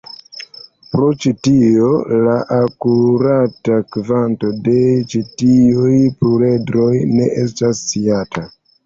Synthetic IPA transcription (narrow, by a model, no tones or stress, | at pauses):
pɾo̞t͡ʃitio̞laʔakuɾatakvanto̞de̞t͡ʃitiujpuɾedɾo̞jne̞̰ʔestasːiata